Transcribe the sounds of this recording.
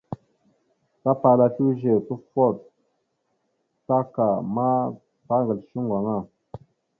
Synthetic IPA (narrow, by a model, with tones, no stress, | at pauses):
sa˦pa˨la˨ti˦ʒe˨tu˦fo˦˨t̚ | ta˦ka˨ma˦ | pa˦ŋɡə˨lʃi˦ŋɡʷa˨ŋa˦˨